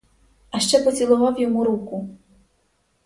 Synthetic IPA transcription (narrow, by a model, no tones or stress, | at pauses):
ɐʃt͡ʂɛpɔt͡sʲilˠɔʋawjɔmuɾuku